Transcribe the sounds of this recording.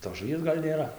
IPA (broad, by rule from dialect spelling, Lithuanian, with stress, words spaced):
toːs ʒʊˈʋʲiɛs ˈɡɐlʲ nʲeːˈrɐ